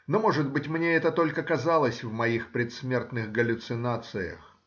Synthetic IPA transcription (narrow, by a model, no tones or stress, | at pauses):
nomoʐɨd̪̚bɨtʲmnʲeɛt̪ət̪o̞lʲkəkɐzalˠəsʲvmɐixpɾʲɪt̪smʲe̞rt̪nɨxɡəlʲʊt̪sɨnat̪sɨjə̰x